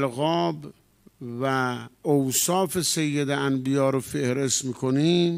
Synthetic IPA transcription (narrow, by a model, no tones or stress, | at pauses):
lɣɒːb | væowsɒːfesejːed̪eænbijɒːɾofehɾe̞st̪miːkʰoniːm